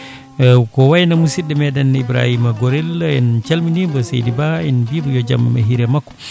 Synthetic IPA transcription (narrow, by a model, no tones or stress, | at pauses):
kɔwajnamusidɛmɛdɛnibɾa̰himaɡɔɾɛlɛnt͡ʃalminibɔsḛjdibaɛnbibɔjɔd͡ʒa̰ma̰ɦiɾɛmakːɔ̥